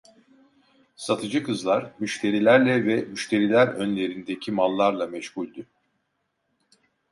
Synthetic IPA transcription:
sat̪ʰɯd͡ʒɯkɯzlˠaɾ̥myʃt̪ʰe̞ɾilʲæɾlʲɛvɛmyʃt̪ʰe̞ɾilʲæɾønlʲe̞ɾind̪ecʰimalˠːaɾlˠamɛʃhulʲd̪ʊ

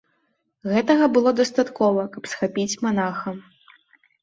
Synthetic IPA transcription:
ɣɛt̪ɐɣɐbɨlˠɔd̪ɐst̪at̪kɔvɐkɐpsxapʲit͡sʲmanaxɐm

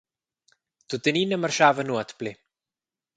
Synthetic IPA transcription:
t̪ut̪əninəmarʃavənuat̪ple

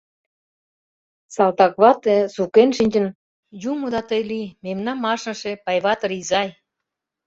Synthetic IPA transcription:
sɑlt̪ɑkβɑt̪esukenʃinʲd͡ʑə̆n | jumod̪ɑt̪əjlimemnɑmːɑʃnɤ̆ʃĕpɑjβɑt̪ɤ̆ɾizɑj

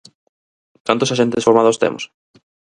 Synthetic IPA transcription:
k̪ant̪osaʃent̪esfoɾmaðost̪ḛmo̰s

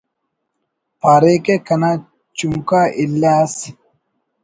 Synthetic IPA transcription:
paːɾeːkekɐnaː | t͡ʃuŋkaʔilːaːs

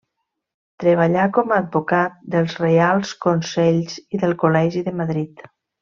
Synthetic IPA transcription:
t̪ɾəβ̞aʎakɔmaːdbukat̪̚d̪əlˠzrealˠskonsɛʎziðəlˠkolɛʒiðəmaðɾit̪

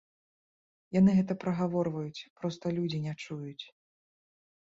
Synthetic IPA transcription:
janɨɣɛt̪ɐpɾɐɣavɔrvɐjut͡sʲpɾɔst̪ɐlʲud͡zʲinʲɛt͡ʂujut͡sʲ

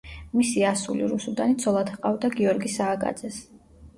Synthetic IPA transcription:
misiasulḭɾusud̪anit̪sʰɔlˠat̪ʰqʼavd̪aɡiɔɾɡisaːɡʼa̰d̪zɛs

